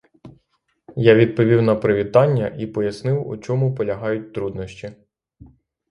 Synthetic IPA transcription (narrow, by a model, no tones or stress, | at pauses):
jaʋʲid̪̚pɔʋʲiwnɐpɾɪʋʲit̪ɑnʲːɐʔipɔjɐsnɪwṵt͡ʃɔmʊpɔlʲɐɦɑjʊt̚ʲt̪ɾud̪nɔʃt͡ʃʲi